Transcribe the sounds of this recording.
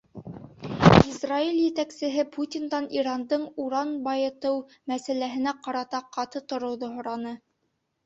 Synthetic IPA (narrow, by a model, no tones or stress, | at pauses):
izrailjɘ̆t̪æksɘ̆ɦɘpʰut̪ʲind̪ɑniɾɑnd̪ɤɴuɾɑnbɑjɤ̆t̪ɤw | mæsælæɦɘ̆næqɑɾɑt̪ɑqɑt̪ɤt̪ŏɾɤ̆wðoɦŏɾɑnɤ